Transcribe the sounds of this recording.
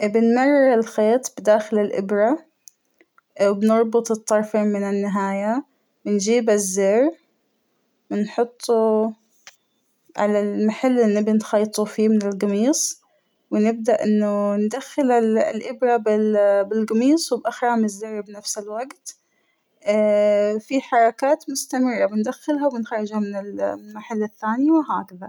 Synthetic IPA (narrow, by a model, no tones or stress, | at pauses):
ʔbɪnmɑrˤːɪɪlxeːt̪ˤb̥d̪aːxɪlɪlʔɪ̰bɾa | wɪbnɑɾˤbʊt̪ˤɨt̪ˤːɑɾˤfeːmmɪnɪnːɪɦaːja | wɪnd͡ʒiːbazːeːɾ | wɪnħʊt̪ˤːu | ʕa̰lalmaħalːʔɪnːɪbɪnxɑːt̪ˤufiːmɪnɪlɡɑmiːsˤ | wɪnɪb̚d̪aʔʔɪnːʊnd̪axːɪlallʔɪbɾɑbɪbɪlɡɑmiːsˤwɪbʔaxɾaːmɪzːɪɾbnafsɪlwaɡt̪ | fiħɑɾˤɑkaːt̪mʊst̪amɪrˤːɑbɪnd̪axːɪlɦawɪnxɑɾˤːɪd͡ʒhamɪnɪlmaħalːɪθːaːniwɪɦaːkaða